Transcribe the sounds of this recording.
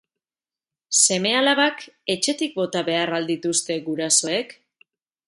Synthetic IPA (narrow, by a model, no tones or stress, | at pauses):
se̞me̞alaβake̞t͡ʃe̞t̪ik̚bo̞t̪aβe̞arald̪it̪ust̪e̞ɣuɾaso̞e̞k